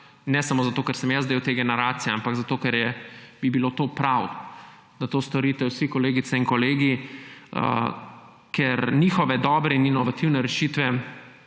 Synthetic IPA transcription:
nɛsamozat̪oːkɛɾsɛmjazd̪ewt̪eːɡɛnɛɾaːt̪sijampaɡzat̪oːkɛɾjɛb̥ibilot̪oːpɾaw | d̪̥at̪oːst̪ɔɾiːt̪ɛwsikɔleːɡit̪sɛiŋkɔleːɡiə̰ | kʰɛɾniːxɔʋɛd̪ɔːbɾɛininɔʋat̪iwnɛɾɛʃiːt̪ʋɛ

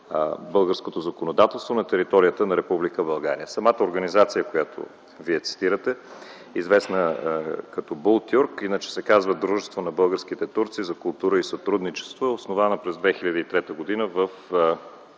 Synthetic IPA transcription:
bɤlˠɡəɾskot̪ozɐkonod̪at̪ɛlˠst̪vonɐt̪ɛɾit̪ɔɾijət̪ənɐɾɛpublikəbɐlˠɡa̰ɾḭəsɐmat̪əoɾɡənizat̪sijəkojat̪o̰ | viɛt̪si̥t̪iɾət̪ɛ | izvɛsnəkɐt̪ɔbolˠt̪ʲjuɾkinət͡ʃɛ̥sɛkazvəd̪ɾuʒɛst̪vonɐbɤlˠɡəɾsk̟it̪ɛt̪uɾt̪sizɐkʊlˠt̪uɾəisɐt̪ɾud̪nit͡ʃɛ̥st̪voosnovanəpɾɛzd̪vɛxilʎʲəd̪əit̪ɾɛt̪əɡod̪inəvəf

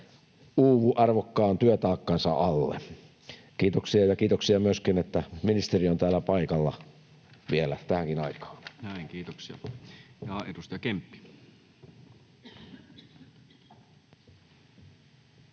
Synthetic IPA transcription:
uːʋuʔɑrʋokːɑːnt̪yøt̪ɑːkːɑnsɑ̰ʔɑlːḛ | kiːt̪oksiɑjɑkiːt̪oksiɑmyøskinet̪ːæminist̪eriont̪æːlːæpɑikɑlːɑ̰ | ʋielæt̪æhæŋkinɑikɑ̥ːnnæˑiŋkiːt̪oksiɑjɑːed̥ust̪ɑjɑkempːi̥

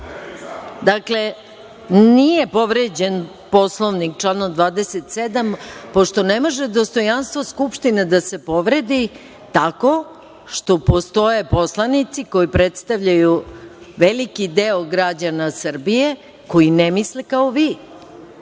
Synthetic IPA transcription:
d̪akle̞ | nije̞po̞ʋɾed͡ʑe̞n | po̞slˠoʋnik̚t͡ʃlˠanod̪ʋaːd̪eset̪sed̪ampo̞ʃt̪o̞nemo̞ʒe̞d̪o̞st̪o̞janst̪ʋoskupʃt̪ined̪ase̞po̞ʋɾe̞d̪i | t̪ako̞ | ʃt̪o̞po̞st̪o̞je̞po̞slˠanit̪siko̞jipɾet̪st̪aʋʎajuʋelikid̪eoɡɾad͡ʑanasr̩bije | ko̞jinemislekaoʋi

